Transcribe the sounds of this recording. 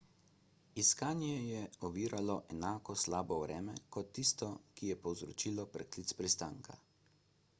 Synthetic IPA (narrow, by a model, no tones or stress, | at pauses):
iskaːnjɛjɛɔʋiːɾalɔʔɛnaːkɔslaːbɔwɾɛːmɛ̰kɔt̪ːist̪ɔkijɛpɔwzɾɔt͡ʃiːlɔpɾɛklit̪spɾist̪aːŋkʰa̰